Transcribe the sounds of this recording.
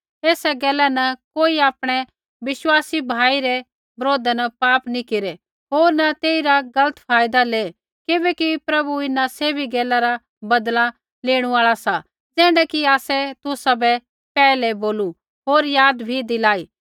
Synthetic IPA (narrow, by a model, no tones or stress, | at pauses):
eːsɛɡɛːlɛnɐkoːiaːpɽ̃ɛ | ʋɪʃwaːsibʱaːiɾɛ | bɾoːd̪ɛnɐpaːpnikeɾɛ | ɦoːɾnat̪eːiɾaɡɐlət̪pʰaːjd̪aleː | kɪbɛkipɾɐbuɪnaseːbʱiɡɛːlaɾa | bɐd̪la | leːɽ̃ũaːɭasa | d͡zɛ̃ːɳɖɛkiaːsɛt̪ʊsabɛ | pɛːlɛboːlu | ɦoːɾjaːd̪bʱid̪ɪlaːiː